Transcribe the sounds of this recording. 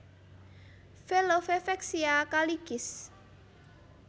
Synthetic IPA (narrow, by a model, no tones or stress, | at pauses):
felofefɛksiakaliɡ̥ɪs